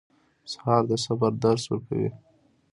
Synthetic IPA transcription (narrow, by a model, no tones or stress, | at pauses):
shɑːɾd̪əsabaɾd̪aɾswəkʰa̰wḭ